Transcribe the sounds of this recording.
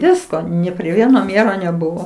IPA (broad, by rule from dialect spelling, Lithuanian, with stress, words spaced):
ˈʋʲɪskoː nʲɪ pʲrʲɪ ˈʋʲiɛnoː ˈmʲeːroː nʲɛˈbʊʋoː